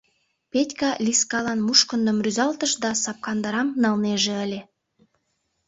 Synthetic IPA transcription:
petʲkɑlʲiskɑlɑnmuʃkənd̪ə̆mryzɑlt̪əʃd̪ɑsɑp̚kɑnd̪ɑɾɑmnɑlneʒeəlʲe

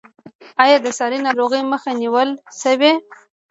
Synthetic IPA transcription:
ɑjɑd̪əsɑɾinɑɾoɣəjməxaniwəlsəwe

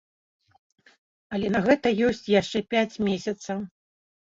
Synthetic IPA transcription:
ɐlʲɛnɐɣɛt̪ɐjɔsʲt͡sʲjaʂt͡ʂɛpʲat͡sʲmʲesʲɐt̪sɐw

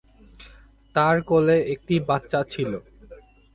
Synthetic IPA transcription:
t̪aɾkoleek̚ʈibatːɕat͡ɕʰilo

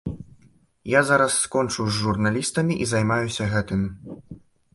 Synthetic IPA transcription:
jazaɾɐsːkɔnt͡ʂɨwzʲːurnalʲist̪ɐmʲiʔizajmajusʲɐɣɛt̪ɨmʲ

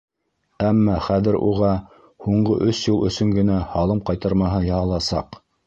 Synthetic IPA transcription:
æmːɑχæðɘ̆ɾṵʁɑ | huɴɢɤʔɵsjulˠʔɵ̆sɵŋɡɘ̆næhɑlˠɤmqɑjt̪ɑ̆ɾmɑɦɤjɑɦɑlˠɑsɑ̰q

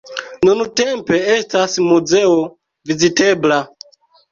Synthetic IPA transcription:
nunutempe̞estasmuzeo | vizite̞bla

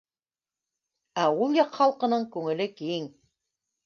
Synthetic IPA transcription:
æulˠjɑqχɑlˠqɤ̆nɤɴkʉŋɘ̆lɘkiŋ

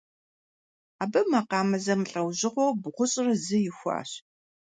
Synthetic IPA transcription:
aːbɐmaqɑːmɐzɐmɨɬʼɐwʑɪʁʷowbʁʷʊɕʼrɐzɨjɪxʷɑ̰ːɕ

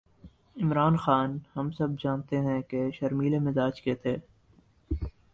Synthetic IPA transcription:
ɪmɾaːnxaːnhɐmsɐb̚d͡ʒaːnt̪eɦɛ̃keʃɐɾmiːlemɪzaːd͡ʒket̪ʰeː

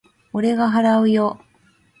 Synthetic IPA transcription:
oɾe̞ɡaɦaɾaɯ̟jo̞

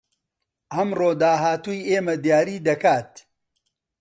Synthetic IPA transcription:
ʔɐmroːd̪aːɦaːt̪uːjeːmɐd̪jaːɾiːd̪ɐkaːt̪̚

